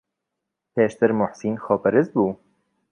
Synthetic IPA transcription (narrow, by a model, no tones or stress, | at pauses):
pʰeːʃt̪ʰɨɾmʊħsiːnxɔːpɛɾɨzbuː